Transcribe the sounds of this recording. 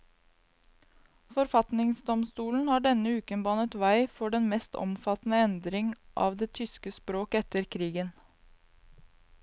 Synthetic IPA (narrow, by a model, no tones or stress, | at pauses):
fɔɾfɑt̪nɪŋsd̪ɔmst̪uːln̩hɑːɖɛnəʉːkənbɑnət̪ʋæɪfɔɖɛnmɛst̪ʰɔ̰mfɑt̪n̩əɛnd̪ɾɪŋʔɑ̰ːʋd̪eːt̪ʰʏskəspɾoːkɛt̪əɾkʰɾiːɡən